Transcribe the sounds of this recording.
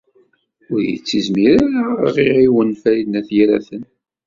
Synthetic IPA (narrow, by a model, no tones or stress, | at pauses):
ʊɾjə̰t͡sːizmiɾaɾaʁiʁiwənfæɾid̪næθjaɾæ̰θən